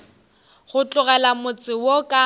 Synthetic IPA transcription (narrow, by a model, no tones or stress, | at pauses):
ɣʊt͡ɬʊɣɛlamʊt͡sʼɪwokʼa